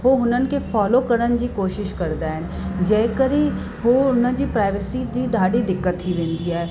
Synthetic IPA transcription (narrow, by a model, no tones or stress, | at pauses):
ɦoɦʊnənkefɔːlokəɾənd͡ʒikoːʃɪʃkɐɾd̪aɛ̃ | d͡ʒɛːkəɾĩ | ɦoʊnəd͡ʒipɾaːɪʋəsid͡ʒid̪ʱaːɽid̪ɪkːət̪ɦiʋẽːnd̪ijaɦɛː